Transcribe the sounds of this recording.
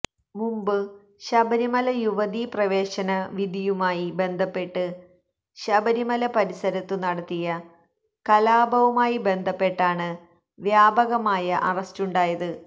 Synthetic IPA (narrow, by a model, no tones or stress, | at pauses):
mumbɨ | ɕɐbɐɾimɐlɐjuʋɐðiprɐʋe̞ːɕɐnɐʋid̪ijumaːjibe̞nd̪ʱɐpːe̞ʈːɨ | ɕɐbɐɾimɐlɐpɐɾisɐɾɐt̪ːɨnɐɽɐt̪ːijɐ | kɐlaːbʱɐʋɐmaːjibe̞nd̪ʱɐpːe̞ʈːaːɳɨ | ʋjaːbɐɣɐmaːjɐʔɐrɐstuɳɖaːjɐðɨ